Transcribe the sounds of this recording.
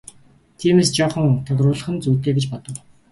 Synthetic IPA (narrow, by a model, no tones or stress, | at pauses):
t̪ʰiːmeːst͡ɕɔːχə̆ŋt̪ʰʊt̪rʊːɮə̆χ̆nt͡sujt̪eːɡet͡ɕpɔt̪ɞ̆w